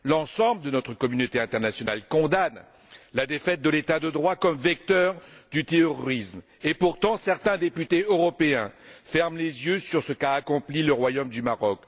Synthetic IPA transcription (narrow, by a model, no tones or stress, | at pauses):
lɑ̃sɑ̃bləd̪ənɔt̪χəkɔmynot̪eɛ̃t̪ɛʁnasjɔnalkɔ̃d̪an | lad̪efɛt̪̚d̪əlet̪ad̪əd̪ʁwakɔmvɛk̚t̪œʁd̪yt̪eɔʁɔʁism | epuʁt̪ɑ̃sɛʁt̪ɛ̃d̪epyt̪eøʁɔpeɛ̃fɛʁmlezjøsyʁsəkaːkɔ̃pliləʁwajomd̪ymaʁɔk